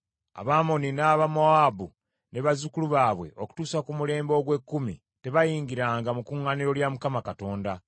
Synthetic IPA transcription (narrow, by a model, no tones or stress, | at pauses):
a̰βamo̞ninaːβamoabu | ne̞βazukuluβaːβwe̞̰ʔo̞ku̥tuːsakumule̞ːmbo̞ːɡwe̞kːumḭ | te̞βajiːŋɡiɾaːŋɡamukuːŋːaniɾo̞ljamukamakato̞ːnda